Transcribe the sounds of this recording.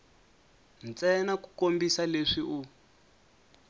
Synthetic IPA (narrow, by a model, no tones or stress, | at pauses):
nt͡sɛnaku̥kombisaleʂiʔu